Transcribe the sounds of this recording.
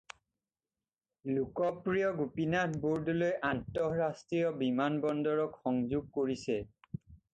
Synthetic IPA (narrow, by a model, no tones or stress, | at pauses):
lukɔpɹijɔɡupinat̚ʰbuɹdlojʔantɔɹastɹijɔbimanbɔndɔɹɔkxɔŋzuɡ̚koɹisɛ